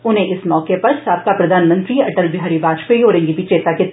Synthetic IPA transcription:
ʊnɦẽʔɪsmɔːkepɐɾsaːb̚kapɾɐd̪ʱaːnmə̃nt̪ɾiɐʈəlbɪɦaːɾibaːd͡ʒpəioːɾɪ̃ŋɡibʱit͡ʃeːt̪ake

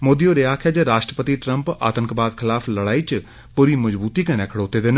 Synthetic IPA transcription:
moːd̪ioɾeaːkʰjaːd͡ʒeɾaːʃʈɾəpət̪iʈɾə̃mpa̰ːt̪ə̃ŋkbaːd̪kʰɪlaːfʰləɽaːit͡ʃ | puɾimɐzbuːt̪iːkɐnekʰəɽoːt̪ed̪en

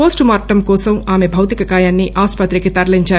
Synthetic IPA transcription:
poːsʈmaːɾʈːɐmkɔːsɐmaːme̞bʱɐwt̪ikɐkaːjaːnːiʔaːspɐt̪ɾikit̪ɐɾɐliɲt͡ʃaː

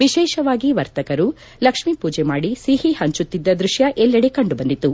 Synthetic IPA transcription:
ʋiʃɛːʃɐʋaːɡiʋɐɾt̪ɐkɐɾu | lɐkʂmipuːd͡ʒɛmaːɽisiːɦihɐɲt͡ʃut̪ːid̪ːɐd̪ɾuʃjɐʔɛlːɐɽekɐɳɖubɐnd̪it̪ːu

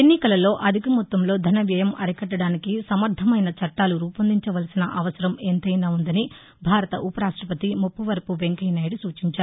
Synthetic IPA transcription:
enːikɐlɐlo̞ːʔɐd̪ʱikɐmut̪ːɐmlo̞ːd̪ʱɐnɐʋjɐjɐmɐɾikɐʈːɐɽaːnikisɐmɐɾd̪ʱɐmɐjnɐt͡ʃɐʈːaːluɾuːpɐnd̪iɲt͡ʃɐʋɐlɐsinɐʔɐʋɐsɐɾɐment̪ɐjnaːund̪ɐni | bʱaːɾɐt̪ɐʔupɐɾaːʂʈɾɐpɐt̪imupːuʋɐɾɐpuʋe̞ŋkɐjnɐːjɽusuːt͡ʃiɲt͡ʃaːɾu

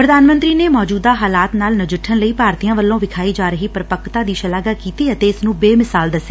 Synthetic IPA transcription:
pɾəd̪aːnmə̃nt̪ɾiːneːmɔːd͡ʒuːd̪aːɦaːlaːt̪naːlnəd͡ʒɪʈʰːənləiːpaːɾt̪ijãːʋəlːõːʋɪkʰaːiːd͡ʒaːɾəɦiːpɾɪpəkʰt̪aːd̪iːʃəlaːɡaːkiːt̪iːət̪eːɪsnũːbeːmɪsaːld̪əseː

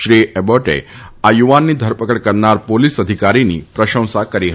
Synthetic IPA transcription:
ʃɾiɛboʈḛ | ajuʋanːid̪ʱəɾpəkəɽkəɾnaɾpolisəd̪ʱikaɾinḭpɾəʃə̃w̃sakəɾiɦə

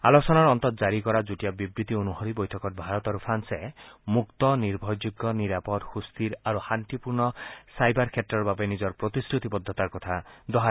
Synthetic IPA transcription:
a̰lɔsɔnaɾɔnt̪ɔt̪ɔd͡ʒaɾikɔɾad͡ʒuʈijabibɾit̪ionuhɔɾibɔjt̪ʰɔkɔɾ̚bʱaɾɔt̪ɔɾupʰansemukt̪ɔniɾbʱɔjd͡ʒuɡːɔniɾapɔd̪hust̪iɾaɾuhant̪ipuɾnɔsajbaɾkʰet̪ɾɔɾbabenid͡ʒɔɾpɾɔt̪iskɾut̪ibɔd̪ʱːɔt̪aɾkɔt̪ʰad̪ɔɦa

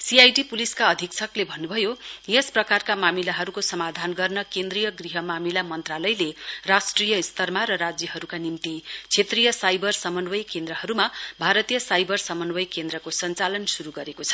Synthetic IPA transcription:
siajɖipuliskaʌd̪ʱiksʰʌklebʱʌnːubʱʌjojesprʌkarkamamilaɦʌɾukosʌmad̪ʱanɡʌrnʌkend̪rijʌɡriɦʌmamilamʌnt̪ralʌjlerasʈrijʌist̪ʌrmaɾʌɾad͡zjʌɦʌɾukanimt̪it͡sʰet̪rijʌsajbʌrsʌmʌnwʌjkend̪rʌhʌɾumabʱaɾʌt̪ijʌsajbʌrsʌmʌnwʌjkend̪rʌkosʌnt͡salʌnsuɾuɡʌɾekot͡sʰʌ̥

